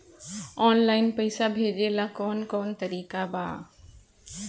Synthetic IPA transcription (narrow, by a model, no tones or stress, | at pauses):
ɔːnlaːɪnpɐɪsabʱeːd͡ʑelakɔːnkɔːnt̪ɐɾiːkaba̰ː